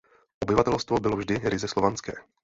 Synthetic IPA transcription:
ʔobɪvat̪ɛlst̪vobɪlovʒdɪɾɪzɛslovant͡skɛ̰ː

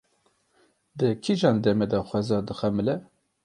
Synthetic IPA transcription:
d̪ɨkʰiʒɑːnd̪ɛmɛd̪ɑxʷɛzɑːd̪ɨxɛmɨlɛ

